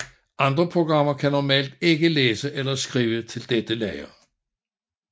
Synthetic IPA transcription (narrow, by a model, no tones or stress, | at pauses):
ʔɑ̈nd̥ʁɐpʰʁo̝ɡ̥ʁɑ̈m̰ɐkʰænɒmɛ̰ːld̥e̝ɡ̥əleːsəʔelɐsɡ̥ʁiːʋət͡sʰe̝ld̥ed̥əlɛɪɐ